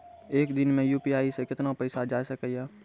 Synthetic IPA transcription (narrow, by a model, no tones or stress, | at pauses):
eːkd̪ɪnmẽjuːpiaːisekɪt̪napəɪsad͡ʒaːsəkəjaː